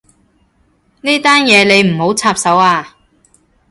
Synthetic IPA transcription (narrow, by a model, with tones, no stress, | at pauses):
niː˥t̪aː˥njɛː˨˧le˨˧jm̩˨˩ho˨˥wt͡sʰaː˧p̚sɐ˨˥waː˧